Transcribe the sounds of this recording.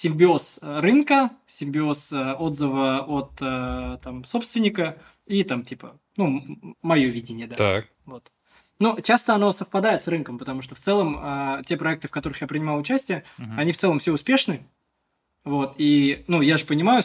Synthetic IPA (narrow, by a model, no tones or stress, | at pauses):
sʲɪmʲbʲɪo̞srɨnkəsʲɪmʲbʲɪo̞səo̞d̪zɨvəot̪ət̪amso̞pst̪vʲɪnʲɪkə | it̪amtʲipə | numɐjo̞vʲidʲɪnʲɪjəd̪aak | vo̞t̪ | not͡ɕast̪əɐno̞səfpɐd̪aɪt̪srɨnkəmpət̪ɐmuʂt̪oft̪sɛlˠəmətʲe̞pɾɐɛk̚t̪ɨfkɐt̪o̞ɾɨxjapɾʲɪnʲɪmalˠʊt͡ɕæsʲtʲɪjəɐnʲift̪sɛlˠəmfsʲeʊspʲeʂnɨ | vo̞t̪inujaʐɨpənʲɪmajʊ